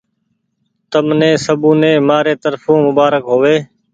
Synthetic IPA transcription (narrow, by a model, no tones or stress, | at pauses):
t̪əmnẽːsəbũːnẽːmaːɾeːt̪əɾfũːmʊbaːɾəkɦoːʋeː